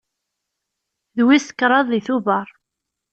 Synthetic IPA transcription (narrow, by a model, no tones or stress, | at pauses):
ðwiskːɾˤɑðˤːiθuvəɾˤ